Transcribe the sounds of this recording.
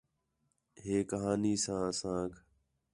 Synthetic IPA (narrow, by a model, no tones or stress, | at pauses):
ɦeːkəɦaːniːsãːəsãːkʰ